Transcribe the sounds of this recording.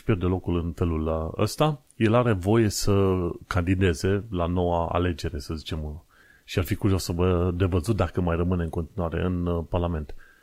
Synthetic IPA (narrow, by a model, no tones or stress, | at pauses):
pjerd̪e̞lo̞kulɨnfe̞lulə̰st̪a | je̞laɾe̞vo̞je̞səkand̪id̪e̞ze̞lano̞waa̰le̞d͡ʒe̞ɾe̞səzit͡ʃe̞m | ʃiarfikuɾjosəvəd̪e̞vəzut̪̚d̪akəmajrəmɨneɨŋkont̪inuaɾe̞̰ʔɨnparlame̞nt̪